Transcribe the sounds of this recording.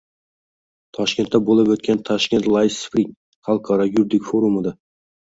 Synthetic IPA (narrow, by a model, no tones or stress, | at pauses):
t̪ʰɒʃkʲe̞nt̪ːæbolˠɪpɵt̪̚kʲʰant̪ʰɒʃkʲe̞nt̪lˠajspɾiŋ | χɑlˠqʰɑɾɑjuɾd̪ɪkʲfoɾumɨd̪ɑ